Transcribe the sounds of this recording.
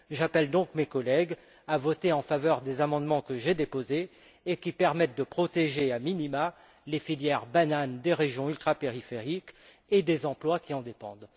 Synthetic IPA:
ʒapɛld̪ɔ̃kmekɔlɛɡ | avɔt̪eɑ̃favœʁd̪ezamɑ̃d̪mɑ̃kəʒed̪epozeː | kʲipɛʁmɛt̪̚d̪əpχɔt̪eʒeaminima | lefiljɛʁbanand̪eʁeʒjɔ̃ylt̪χapeʁifeʁik | ed̪ezɑ̃plwakʲiɑ̃d̪epɑ̰̃d̪

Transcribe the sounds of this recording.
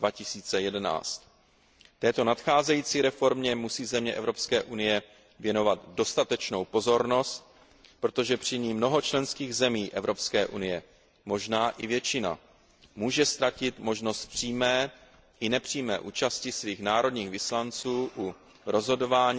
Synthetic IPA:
vacɪsiːt͡sɛjɛdɛna̰ːt͡st̪ | t̪ɛːt̪o̞nat̪xaːzɛjiːt͡siːɾɛfo̞ɾmɲɛmusiːzɛmɲɛʔɛvɾo̞pskɛːʔunɪjɛ | vjɛno̞vat̪do̞st̪at̪ɛt͡ʃno̞wpo̞zo̞ɾno̞st̪̚ | pɾo̞t̪o̞ʒɛpr̝̥ɪɲiːmnoɦo̞t͡ʃlɛnskiːɣzɛmiːʔɛvɾo̞pskɛːʔunɪjɛ | mo̞ʒnaːʔɪvjɛt͡ʃɪna̰ | muːʒɛst̪ɾacɪt̪mo̞ʒno̞st̪̚pr̝̥iːmɛː | ʔɪnɛpr̝̥iːmɛ̰ːʔuːt͡ʃascɪsviːxnaːɾo̞dɲiːɣvɪslant͡suːʔu | ɾo̞zɦo̞do̞vaːɲ

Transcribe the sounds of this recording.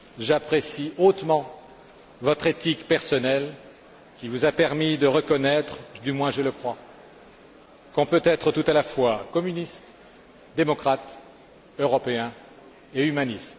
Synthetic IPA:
ʒapχesiot̪mɑ̃ | vɔt̪χet̪ikpɛʁsɔnɛl | kʲivuzapɛʁmid̪əʁəkɔnɛt̪χd̪ymwɛ̃ʒələkχwa | kɔ̃pøt̪ɛt̪χət̪ut̪alafwakɔmynist̪ | d̪emɔkχat̪ | øʁɔpeɛ̃ | eymanist̪

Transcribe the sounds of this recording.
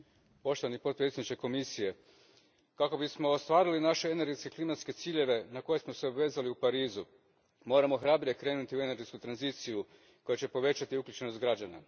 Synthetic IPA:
po̞ʃt̪o̞ʋanipo̞t̪̚pɾet̪sʲednit͡ʃeko̞misije̞ | kako̞bismo̞ːst̪ʋaːɾilinaʃeene̞ɾɡeskeklimat̪ske̞t̪siːʎe̞ʋe̞nako̞je̞smo̞se̞obʋe̞ːzaliupaɾiːzu | mo̞ɾamo̞xɾabɾijekɾe̞ːnut̪iue̞ne̞ɾɡet̪kut̪ɾanziːt̪siju | ko̞jet͡ɕe̞po̞ʋe̞t͡ɕat̪iukʎʲut͡ɕe̞nost̪ɡɾad͡ʑana̰

